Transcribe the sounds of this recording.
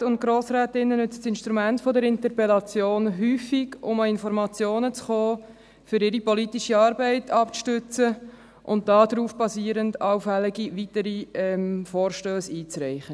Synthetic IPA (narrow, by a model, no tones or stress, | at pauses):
ʊnt̚ɡ̥ɾoːsɾɛːtɪnːənʏt͡sə̥sɪnʃtɾumɛntfɔdəɾɪntərpɛlɑt͡sjoːnɦyːfiɡʊməɪnfɔɾmɑt͡sjoːnət͡sχoː | fʏɾɪɾipɔlitiʃiɑːɾbɛɪtʰɑpt͡sʃtʏt͡sə | ʔʊnt̚d̥ɑːdɾuːfb̥ɑsiːəɾəndɑʊfɛlɪɡiʋitəɾiɛmfoːrʃtøːsiːt͡sɾɛɪχə